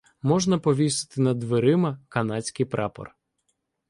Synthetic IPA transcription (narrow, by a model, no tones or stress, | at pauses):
mɔʒnɐpɔʋʲisɪ̥t̪ɪnɐd̪ʋeɾɪmɐkɐnɑt͡sʲkɪjpɾɑpɔ̰r